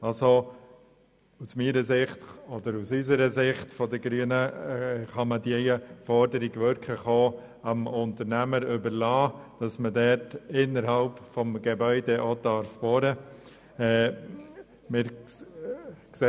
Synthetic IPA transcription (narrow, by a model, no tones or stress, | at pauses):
ɑlso | usmiːɾəsɪχtɔdəɾusysəɾəsɪχtfɔdəɡɾyːənəχɑmədiɛjəfɔɾdəɾiɡʋøɾkʰəχoː | əmʊntəɾnæməɾʏbəɾlɑːd̥ɑsmədɛtɪnːəɾɦɑlpfɔmɡ̥ebœʏdɛʔod̥ɑɾfb̥ɔɾə | ɛː | mɪɾ | kse